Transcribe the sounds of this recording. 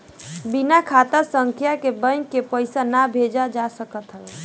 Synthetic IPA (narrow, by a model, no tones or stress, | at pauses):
binakʰat̪əsəŋkʰjakebəjnkepəjsanabʱed͡ʒad͡ʒasəkət̪ɦəl